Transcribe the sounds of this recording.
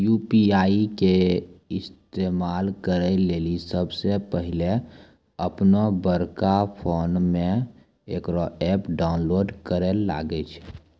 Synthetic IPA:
juːpiaːikeɪst̪eːmaːlkəɾeleːlisəbsepəɦɪle | əpnobəɾkapʰoːnmẽ | eːkɾoɛːpɖaːʊnloːɖkəɾela̰ːɡet͡ʃʰ

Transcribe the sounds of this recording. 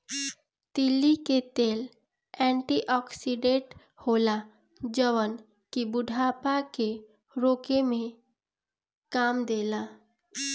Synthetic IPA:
t̪ilːiket̪eːl | ɛ̃ɳʈiʔɔksiɖeʈ | hola | d͡ʒəʋən | kibʊɖʱapake | ɾoːkemẽ | kaːmd̪ela

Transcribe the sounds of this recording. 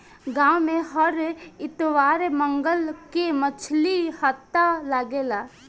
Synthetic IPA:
ɡãːwmẽɦəɾɪt̪ʋaːɾemə̃ŋɡəlkemət͡ʃʰlihət̪ːalaɡeːlaː

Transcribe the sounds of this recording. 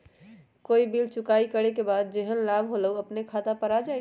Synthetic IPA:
koibilt͡ʃukaikəɾekebad̪̚d͡ʒeɦənlabʱɦoləəpnekʰat̪apəɾad͡ʒaj

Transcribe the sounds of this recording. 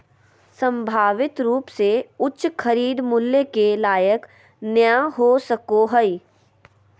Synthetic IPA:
sə̃mbʱaːʋɪt̪ɾuːpseʊtːʃxʰɐɾiːd̪mʊlːjekelaːjək | njaɦosəkoɦəi

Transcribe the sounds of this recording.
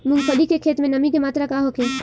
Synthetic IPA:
mʊ̃ŋɡsɐɖikekʰeːt̪mẽnɐmĩkemaːt̪ɾakaɦokʰẽː

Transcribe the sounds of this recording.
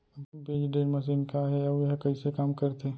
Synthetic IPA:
beːd͡ʒɖeːlmɐs̬inkaɦɛɔːjəɦkɐisekaːmkəɾt̪e

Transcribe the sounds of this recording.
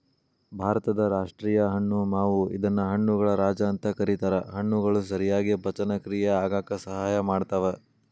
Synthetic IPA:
bʱaːɾɐt̪ɐd̪ɐɾaːʂʈɾiːjɐɦɐɳːunaːʋuḭd̪ɐnːɐɦɐɳːuɡɐɭɐɾaːd͡ʒɐːnt̪ɐkɐɾit̪aːɾɐɦɐɳːuɡɐɭus̬ɐɾijaːɡibʱɐt͡ʃɐnɐkɾiːjeaːɡaːkɐsɐɦaːjɐmaːɖt̪ɐʋe

